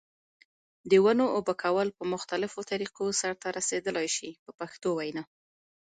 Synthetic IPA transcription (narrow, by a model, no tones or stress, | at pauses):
d̪əwanoːbakʰawəlpəmʊxt̪alɪfot̪aɾiqosaɾt̪aɾased̪əlajʃipəpaxt̪owajna